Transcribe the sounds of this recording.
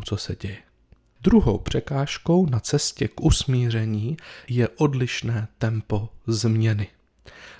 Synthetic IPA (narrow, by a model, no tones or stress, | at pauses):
t͡sosɛɟɛjɛ | d̪ɾuɦo̰wpr̝̥ɛkaːʃko̞wnat͡sɛscɛkʔusmiːr̝ɛɲiːjɛʔo̞dlɪʃnɛːt̪ɛmpo̞zmɲɛnɪ